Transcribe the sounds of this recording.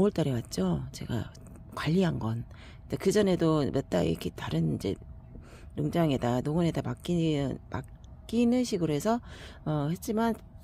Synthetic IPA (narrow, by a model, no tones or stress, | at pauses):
oɯɭt͈aɾiwat̚t͡ɕ͈ot͡ɕe̞̰ɡa̰ | kwaʎːiɦanɡʌn | tekɯd͡ʑʌne̞domʌt̚t͈a̰ḭɾʌ̰kʰetaɾɯnind͡ʑe̞̰ | joŋd͡ʑaŋedanoŋɯnedamak͈inma̰ | k͈inɯnɕʰiɡɯɾoɦe̞sʰʌʌhe̞t̚t͡ɕ͈iman